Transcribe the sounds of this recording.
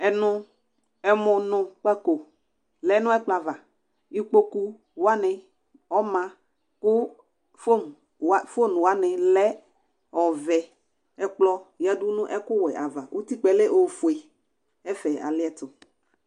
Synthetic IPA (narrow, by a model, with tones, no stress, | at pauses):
ɛ˨nʊ̃˦ | ɛ˨mʊ̃˨nʊ̃˨k͡pa˦ko˨ | lɛ˨˦nʊ̃˦ɛ˦k͡plɔ˨a˨va˨ | i˦k͡po˦ku˦ | wa˦nɪ˨ | ɔ˦mã˨ | kʊ˦ | fo˦n | a˦˨fo˦˨n˨wa˦nɪ˨lɛ˦ | ɔ˨vɛ˨ | ɛ˦k͡plɔ˦ja˦dʊ˦nʊ̃˦ʔɛ˦kʊ˦wɛ˨ʔa˨va˨ʔo˦ti˦k͡pɛ˨le˦ʔo˨fu˨e˨ | ɛ˦fɛ˨a̰˨lɪ˦ɛ˦t̪ʊ˨